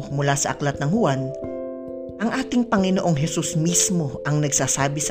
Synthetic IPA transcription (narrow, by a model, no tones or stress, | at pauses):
mʊlaːsɐʔɐklɐt̪nɐŋhʊwan | ʔɐŋʔaːt̪ɪŋpɐŋɪnoʔo̞ŋɦɛsusmismo̞ʔɐŋnɐɡ̚saːsaːbɪsɐ